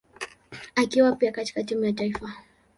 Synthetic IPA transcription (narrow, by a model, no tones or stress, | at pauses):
akiwapiakati̥katimujataifa